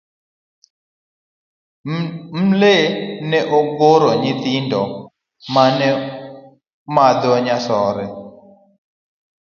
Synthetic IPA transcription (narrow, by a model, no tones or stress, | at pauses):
m̩lenɛʔoɡoɾɔɲɪt̪ɪndɔ | manɛ | mad̪ɔɲasɔɾɛ